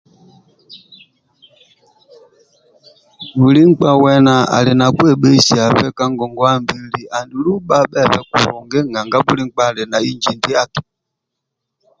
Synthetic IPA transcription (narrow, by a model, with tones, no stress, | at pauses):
bu˨li˦ŋ͡mk͡pa˦wɛ˦na˨a̰˨le˨na˨kwɛ˦˨ɓe˦si˨a˨ɸɛ˦ka˦ŋɡɔ˨ŋɡɔ˦a˦mbi˨li˨ʔa˨ndu˨lu˦ɓa˦ɓɛ˦˨ɸɛ˦kṵ˨hɔ˨ŋɡe˦ŋa˨ŋɡa˦bu˦li˦ŋ͡m̩˦k͡pa˦˨lɛ˨na˨i˦nd͡ʒi˨ndi˦a˦ti̥˨